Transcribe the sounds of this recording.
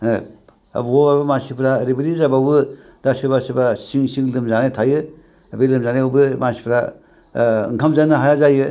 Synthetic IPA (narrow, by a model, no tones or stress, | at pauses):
ɐ̰bobabamasipʰɾaɾibiɾizababɯ | d̥asɯbasɯbasiŋsiŋlɯmzanetʰajɯ | bilɯmzanebɯmasi̥pʰɾa | ŋkʰamzanɯɦajazajɯ